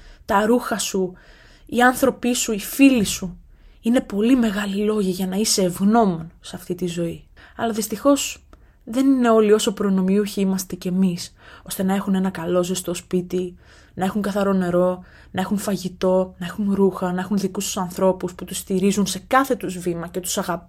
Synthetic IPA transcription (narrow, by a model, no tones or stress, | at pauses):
t̪ɐɾuxɐsu | iɐnθɾo̞pisuifilisu | ine̞po̞lime̞ɣɐlilo̞ʝɐʝɐnɐise̞ːvɣno̞mo̞nsɐft̪it̪izo̞i | ɐlɐðist̪ixo̞s | ðe̞nine̞o̞lio̞so̞pɾo̞no̞miuçiimɐst̪ecemiso̞st̪e̞nɐe̞xune̞nɐkɐlo̞zest̪o̞spit̪i | nɐe̞xuŋɡɐθɐɾo̞ne̞ɾo̞ | nɐe̞xunfɐʝit̪o̞nɐe̞xunɾuxɐnɐexunðikust̪u̥sɐnθɾo̞pusput̪ust̪iɾizunse̞kɐθe̞t̪uzvimɐce̞t̪u̥sɐɣɐp